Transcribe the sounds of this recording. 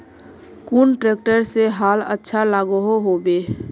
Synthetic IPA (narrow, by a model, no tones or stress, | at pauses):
kuːnʈɾeːkʈəɾseɦaːlə̰tːʃʰalaːɡuɦoɦobeː